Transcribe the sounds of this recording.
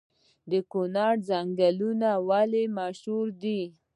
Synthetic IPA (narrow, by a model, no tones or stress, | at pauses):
d̪əkunɑɾzaŋɡalunawalemaʃuɾd̪i